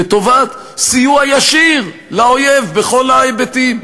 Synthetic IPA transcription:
et̪o̞vat̪ | sijuajaʃiʁ | lao̞jevbeχo̞lajbet̪im

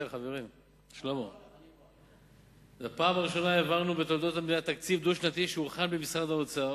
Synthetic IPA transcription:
χaveʁim | ʃlomo | bapaːmaʁiʃo̞naevaʁnubet̪old̪o̞t̪abneat̪ak̚t͡sivd̪uʃnat̪iʃeuχanbemisχaʁd̪aot͡sa

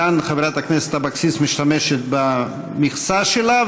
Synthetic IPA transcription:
anχaveɾat̪akneset̪abaksist̪miʃt̪ameʃet̪̚ba | miχsaʃela

